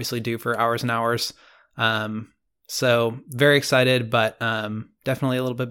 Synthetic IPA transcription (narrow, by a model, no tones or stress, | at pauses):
viɨslidɨfə˞aʊə˞z̃n̩aʊə˞z̥ | ʌ̃m | soʊvɛɹiɨksaɪɾɪd̚bʌt̚ʌ̃md̥ɛfənətˡliəlɪɾl̩ˠbɪt̚